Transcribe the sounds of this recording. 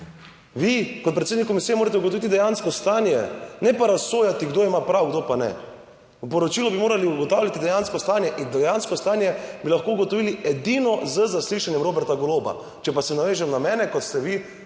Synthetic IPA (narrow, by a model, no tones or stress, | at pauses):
ʋikɔt̪̚pɾɛt̪sed̪nikːɔmisijɛmoːɾat̪ɛuɡot̪ɔʋit̪id̪ɛjanskɔst̪aːnjɛnɛpaɾasoːjat̪iɡd̪oːimapɾawɡd̪opanɛ̰ | upɔɾɔt͡ʃilɔbimoːɾaliuɡɔt̪aːwlʲjat̪id̪ɛjanskɔst̪anjɛʔind̪ɛjanskɔst̪aːnjɛbilaxkoːuɡɔt̪ɔʋiːliɛd̪inɔzəzasliʃanjɛmɾoːbɛɾt̪aɡɔloba̰ | t͡ʃɛpasɛnaʋeːʒɛmnamɛːnɛkɔt̪st̪ɛʋi